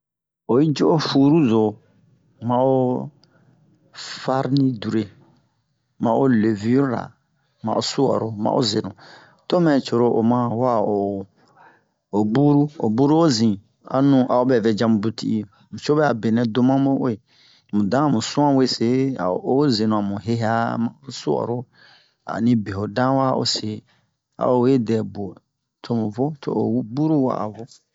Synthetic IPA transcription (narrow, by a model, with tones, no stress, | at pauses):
o˨i˦d͡ʒo˦ʔo˦fu˨ɾu˦zo˨ | mã˨o˦ | fa˦ɾnĩ˦du˨ɾe˨ | mã˨o˦le˨vi˦ɾɾa̰˨ | mã̰˨ʔo˨su˦wɔ̰˨ɾo˨mã̰˨ʔo̰˦ze˨nũ˨ | to˦mɛ̃˨t͡ʃo˨ɾo˨ʔo˨mã˦wa˦˨o˨ | o˨bu˦ɾu˦o˨bu˦ɾu˦o˦zĩ˨ | a̰˨nũ˨ʔa˨o˦bɛ˨vɛ˨d͡ʒã˧mũ˨bu˨tḭ˦ʔi˨ | mũ˨t͡ʃo˦bɛ˦a˨be˨nɛ̃˨do˦mã˦mo˦o˦e˨ | mũ˨dã˦˨mũ˨sũ˦ã˦we˦se˦a̰˨o˦ze˨nũ˨a˨mũ˨ɦe˦ɦa˦mã̰˨o˦su˦ɔ̰˨ɾo˦ | a̰˨nĩ˦be˨ho˨dã˦wa˦o̰˨se˨ | a̰˨o˨we˦dɛ˨bo˨ | tʰo˦mũ˨vo˦tʰo̰˨o̰˨˦bu˦ɾu˦wa̰˦˨a̰˨vo˦